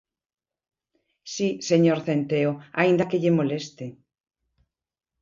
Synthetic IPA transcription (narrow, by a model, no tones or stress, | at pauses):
siseɲoɾθent̪eoaind̪akeʎemolest̪e